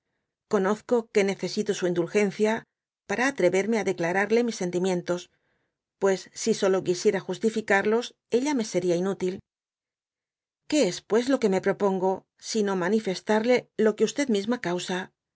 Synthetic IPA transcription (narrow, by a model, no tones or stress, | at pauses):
ko̞no̞θko̞ke̞ne̞θe̞sit̪o̞suind̪ulxe̞nθja | paɾaːt̪ɾe̞βe̞ɾme̞aðe̞klaɾaɾle̞misːe̞nt̪imje̞nt̪o̞s | pwe̞sːiso̞lo̞kisje̞ɾaxust̪ifikaɾlo̞s | e̞ʎame̞se̞ɾiainut̪il | ke̞espwe̞zlo̞ke̞me̞pɾo̞po̞ŋɡo̞ | sino̞manife̞st̪aɾle̞lo̞keust̪e̞ðmizmakawsa